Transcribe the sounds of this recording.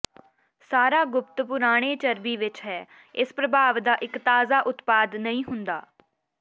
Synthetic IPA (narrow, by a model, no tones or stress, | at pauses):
saːɾaːɡʊp̚t̪pʊɾaːɽ̃eːt͡ʃəɾbiːʋɪt͡ʃɦɛː | ɪspɾəbʱaːʋd̪aːʔɪkt̪aːzaːʔʊt̪paːd̪nəĩːɦʊnd̪a̰ː